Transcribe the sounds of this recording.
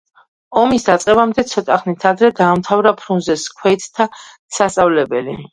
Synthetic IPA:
ɔmisd̪at̪sʼqʼɛbamd̪ɛt̪sʰɔt̪ʼaχnit̪ʰad̪ɾɛd̪aːmt̪ʰavɾapʰɾunzɛskʰwɛt̪ʰːa | sast̪sʼavlɛbɛli

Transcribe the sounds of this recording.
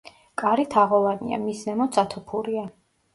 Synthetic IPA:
kʼaɾit̪ʰaʁɔvanḭa̰misnɛmɔt̪sʰat̪ʰɔpʰuɾia

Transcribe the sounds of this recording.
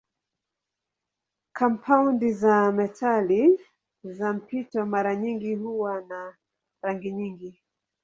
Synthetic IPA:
kʰampʰaundizamɛtʰali | zam̩pʰitɔmaɾaɲiŋɡihuwana | ɾaŋɡiɲiŋɡi

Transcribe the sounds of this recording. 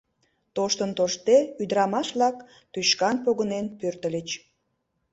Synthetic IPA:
t̪oʃt̪ənt̪oʃt̪eyd̪əɾɑmɑʃβlɑk | t̪yɕkɑnpoɣənenpørt̪əlʲət͡ɕ

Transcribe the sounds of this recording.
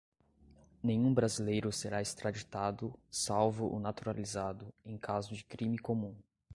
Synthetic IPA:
nẽj̃ũbɾazilejɾʊseɾaest̪ɾad͡ʒit̪ad̪ʊsawvʊʔʊnat̪uɾalizad̪ʊẽj̃kʰazʊd͡ʒɪkɾĩmɪkomũ

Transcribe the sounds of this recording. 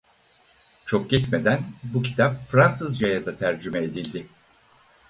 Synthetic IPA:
t͡ʃʰo̞k̚ɟ̥ɛt͡ʃme̞d̪ænbucʰi̥t̪ʰap̚fɾansɯzd͡ʒajad̪at̪ʰæɾd͡ʒymɛed̪ilʲd̪ɪ

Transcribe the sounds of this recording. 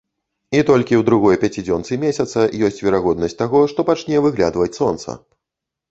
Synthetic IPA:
it̪ɔlʲkʲiwd̪ɾuɣɔjpʲat͡sʲid͡zʲɔnt̪sɨmʲesʲɐt̪sɐjɔsʲt͡sʲvʲɛɾaɣɔd̪nɐsʲt̚ʲt̪aɣɔʂt̪ɔpat͡ʂnʲɛvɨɣlʲa̰d̪vɐt͡sʲsɔnt̪sɐ̰

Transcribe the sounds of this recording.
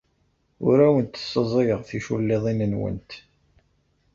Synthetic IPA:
ʊ̰ɾæwənt̪ə̥sːəzˤiʁθiʃulːeðˤinənwə̰nt̪

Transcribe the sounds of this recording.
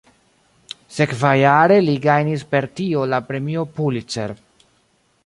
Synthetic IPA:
se̞kvajaɾe̞liɡajnis̬pe̞ɾtio̞lapɾe̞mio̞pulit͡se̞̰ɾ

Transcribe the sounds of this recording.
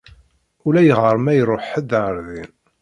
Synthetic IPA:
ulæjəʁəɾˤmæjəɾˤoħəd̪ɾˤðin

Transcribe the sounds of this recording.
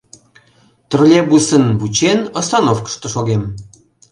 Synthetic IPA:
t̪ərlʲebusənbut͡ɕenəsɑnofkə̥ʃt̪oʃoɣem

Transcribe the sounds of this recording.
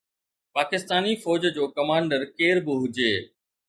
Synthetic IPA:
paːkɪst̪aːnifɔːd͡ʑd͡ʑoːkɐmãːɳɖəɾkeːɾbɪɦʊd͡ʑeː

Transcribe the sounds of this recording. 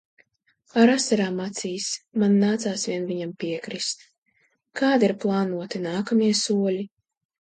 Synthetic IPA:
aɾasaɾaːmːat̪siːsmanːaːt̪saːsvʲiɛnvʲiɲampiɛkɾist̪ | kaːd̪iɾplˠaːnuɔt̪inaːkamiɛsuɔlʲi

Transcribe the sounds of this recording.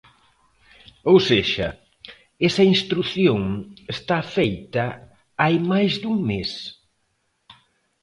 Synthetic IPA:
owseʃɐ | ɛsɐinst̪ɾuθjoŋest̪afejt̪ɐ | ajmajzðuŋmes

